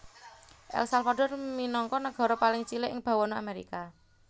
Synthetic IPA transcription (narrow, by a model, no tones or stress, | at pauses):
ʔɛ̰lsalfaɖɔrminɔŋkɔnəɡ̥ɔ̤ɾɔpalɪŋt͡ʃilɪʔɪŋb̥a̤wɔnoa̰meɾḭka